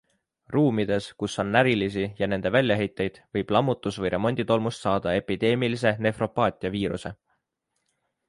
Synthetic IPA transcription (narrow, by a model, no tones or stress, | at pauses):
ruːmid̪̥e̞skusːo̞nːæɾilis̬ijɑne̞nd̪e̞vælʲːjɑɦe̞jt̪ːˑe̞jd̪̥vɤjb̥lɑmːut̪ːˑusvɤjɾʔe̞mo̞nʲd̪̥it̪o̞lmust̪sɑːd̪̥ɑe̞pid̪̥e̞ːmilise̞ne̞fro̞pːˑɑːt̪ʲˑiɑviːɾṵse̞